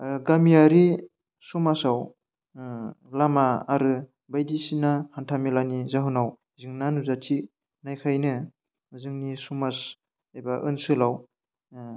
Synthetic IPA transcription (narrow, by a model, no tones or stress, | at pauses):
ɡamijaɾi | sumasaw | lamaːɾɯ | bajdisinahantʰamilanizaɦɯnaw | ziŋnanuzati | najkʰajnɯ | zɯŋnisumas | ajbaʔɯnsɯlaw